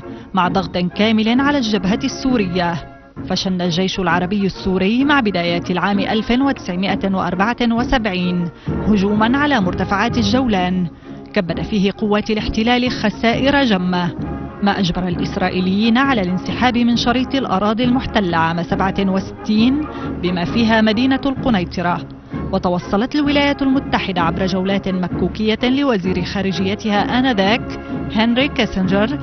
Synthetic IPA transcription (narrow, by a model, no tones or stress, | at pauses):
maʕd̪ˤɑɣt̪ˤnkaːmɪlɪnʕalaːld͡ʒːabɦasːuːɾɪjːa | faʃanːalʒajʃʊlʕɑɾˤɑbɪjːasːuːɾɪjːmaʕbɪd̪aːjaːt̪ɪlʕaːmɪʔalfɪnwat̪ɪ̥sʕɪmɪʔawa̰ʔɑ̰ɾˤbaʕawasabʕiːnhʊd͡ʒuːmanʕalaːmʊɾt̪afaʕaːt̪aʒːawlaːn | kabːad̪afiːhɪqʊwːaːt̪alɪħt̪ɪlaːlɪxasaːʔɪɾad͡ʒamːamaːʔad͡ʒbɑɾˤɑlʔɪsɾˤɑːʔiːlɪjːiːnaʕalaːlɪnsɪħaːbɪmɪnʃɑɾiːt̪ˤɪlʔɑ̰ɾˤɑːd̪ˤilmʊħt̪alːʕaːmasabʕawasɪ̥t̪ːiːnbɪmaːfiːɦaːmad̪iːnalqʊnajt̪ˤɨɾˤɑ | wɑt̪ɑwɑsˤːɑlɑt̪alwɪlaːjaalmʊt̪ːaħɪd̪aʕabɾˤɑd͡ʒawlaːt̪nmakːuːkɪjːalɪwaziːɾɪxaːɾɪd͡ʒɪjːat̪ɪhaːʔanaðaːk | hɪnɾikasɪnd͡ʒaɾˤ